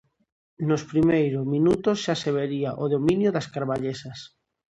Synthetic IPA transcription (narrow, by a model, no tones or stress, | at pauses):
nospɾimejɾomĩnut̪osʃaseβ̞eɾiaʔoðomĩnjoðaskaɾβaʎesas